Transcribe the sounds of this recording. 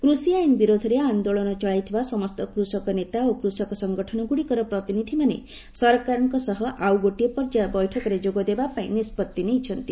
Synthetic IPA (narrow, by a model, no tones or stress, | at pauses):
kɾusiajinbiɾod̪ʱɔɾeand̪oɭɔnɔt͡ʃɔɭajt̪ʰibasɔmɔst̪ɔkɾusɔkɔnet̪aokɾusɔkɔsɔŋɡɔʈʰɔnɔɡuɽikɔɾɔpɾɔt̪inid̪ʱimanḛ | sɔɾkaɾɔŋkɔsɔɦɔʔawɡoʈiepɔɾd͡ʒabɔjʈʰɔkɔɾed͡ʒoɡɔd̪ebapaĩnispɔt̪ːinejt͡ʃʰɔnt̪i